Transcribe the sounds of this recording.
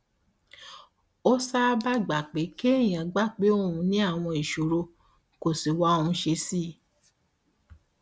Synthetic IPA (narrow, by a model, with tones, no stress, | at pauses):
o˦sa˦ba˦ɡ͡ba˨k͡pe˨˦ke˦ĩ˨ã˨ɡ͡ba˦˨k͡pe˦o˦˨ũ˧nĩ˦a˦˨w̃ɔ̃˧i˨ʃo˨ɾo˧ | ko˨si˨wa˨˦o˧ũ˧ʃe˧˦si˦˨˦